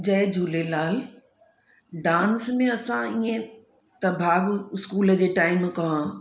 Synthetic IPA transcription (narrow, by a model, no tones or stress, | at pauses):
d͡ʑɐed͡ʑʱuːlelaːl | ɖãːnsmẽɐsãiẽ | t̪ɐbʱaːɡɪskuːləd͡ʑeːʈaːɪmkɐɦã